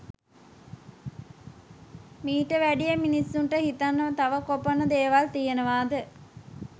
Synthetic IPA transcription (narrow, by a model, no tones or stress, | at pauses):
miːʈəʋæɖijəminisːunʈəhit̪anːət̪aʋəkoponəd̪eːʋalt̪ijenəʋaːd̪ə